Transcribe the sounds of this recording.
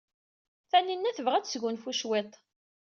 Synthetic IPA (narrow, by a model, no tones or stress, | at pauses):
θæninːæθəvʁæt͡sːsʝʊnfuʃwet̪ˤ